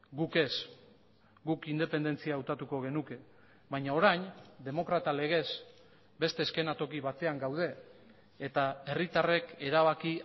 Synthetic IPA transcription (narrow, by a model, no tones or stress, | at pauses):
ɡuke̞s | ɡukind̪e̞pe̞nd̪e̞nt͡siaːwt̪at̪uko̞ɣ̞e̞nuke̞ | βajɲao̞ɾajnd̪e̞mo̞kɾat̪ale̞ɣ̞e̞s | be̞st̪e̞ːske̞nat̪o̞kiβat̪e̞aŋɡawðe̞ː | t̪ae̞rit̪are̞ke̞ɾaβaki